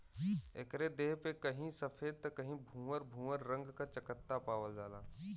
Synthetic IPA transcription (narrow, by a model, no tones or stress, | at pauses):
ḛkɾed̪eːɦpekəɦĩsəpʰeːd̪̚t̪əkəɦĩbʱũːəɾbʱũːəɾɾə̃ŋɡkat͡ʃəkət̪ːapaːʋəld͡ʒaːlaː